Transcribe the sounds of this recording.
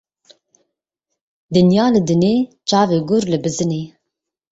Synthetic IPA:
d̪ɨnjɑːlɨd̪ɨneːt͡ʃɑːveːɡʊɾlɨbɨzɨneː

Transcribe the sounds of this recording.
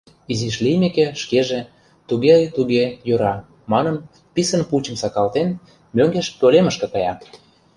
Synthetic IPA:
iziʃlijmekeʃkeʒe | t̪uɣejt̪uɣejøɾɑ | mɑnən | pisənpulʲt͡ɕə̆msɑkɑlt̪en | møŋɡeʃt̪oleməʃkɤ̆kɑjɑ

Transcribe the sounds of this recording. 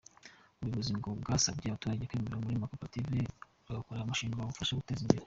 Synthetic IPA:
uβiβuziŋɡobɡasabɟaːβatuɾaɟekweːmeɾomuɾimakopative | aɡakoɾeɾamaʃiːŋɡaaufaʃaɡute̞ːzimbeɾe

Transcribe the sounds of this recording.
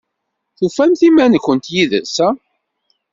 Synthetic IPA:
θufæmθimænəkʷːənt̪jiðə̰sæ

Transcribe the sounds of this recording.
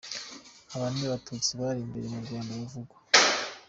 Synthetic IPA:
aβaːniβatut͡siβaɾimbe̞ɾemuɾɡaːndawuvuɡwḁ

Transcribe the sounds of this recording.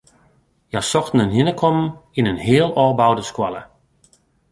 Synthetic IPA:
jasɔxtn̩ənjɪnəkʰɔmninənɦɪəlˠɔːbawdəskwalə̰

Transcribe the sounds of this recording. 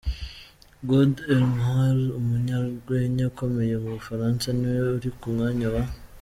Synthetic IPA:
ɡodelmhalumuɲaɾɡweɲako̞me̞je̞muβufaɾansaniweuɾikumŋaɲoβa

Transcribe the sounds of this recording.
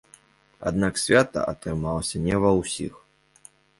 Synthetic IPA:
a̰d̪naksʲvʲat̪ɐ̰ʔɐt̪ɾɨmalˠɐsʲɐnʲɛvɐwsʲḭx

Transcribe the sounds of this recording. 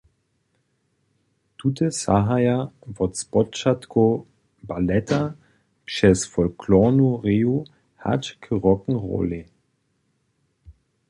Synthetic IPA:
tutəsa̰ɦajavɔtspɔt͡ʃatko | balɛtʰa | pʃɛsfɔlkʰlɔnuʁeːu | ha̰tkʰəʁɔkŋ̩ʁɔ̰le

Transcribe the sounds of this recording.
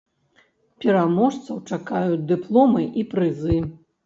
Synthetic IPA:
pʲɛɾamɔʂt̪sɐwt͡ʂakajut͡sʲd̪ɨplˠɔmɨʔipɾɨzɨ

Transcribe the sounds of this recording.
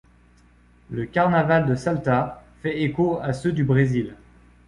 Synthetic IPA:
ləkaʁnavald̪əsalt̪afɛekoasød̪ybʁezil

